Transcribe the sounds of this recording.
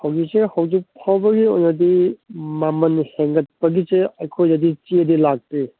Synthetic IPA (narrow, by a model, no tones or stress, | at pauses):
hawɡisehɐwzik̚pʰawbɐɡio̰jnɐdimamɐnheŋɡɐt̚pɐɡiseɐjkʰojɐdit͡ʃiɐdilak̚ti